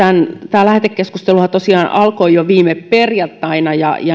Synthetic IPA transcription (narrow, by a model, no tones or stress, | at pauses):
ænt̪æːlæhet̪ekkeskust̪eluhɑt̪osiɑːnʔɑlkoijoʋiːmepperjɑt̪ːɑinɑjɑ̰jɑ